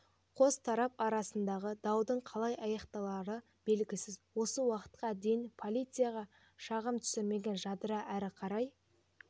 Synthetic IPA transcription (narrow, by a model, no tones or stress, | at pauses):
qʰo̞st̪ʰɑɾɑpɑɾɑsənd̪ɑʁəd̪ɑwd̪əɴqʰɑlˠɑjɑjɑqt̪ɑlˠɑɾə | be̞lɡʲɪsɪzwo̞səwɑqə̥t̪̚qɑd̪ejɪnpʰo̞lʲˠijt̪sɨjaʁɑ | ʃɑʁəmt̪ʰʏ̥sɪɾme̞ɡʲe̞nʒɑd̪əɾɑʔæɾɪqʰɑɾɑj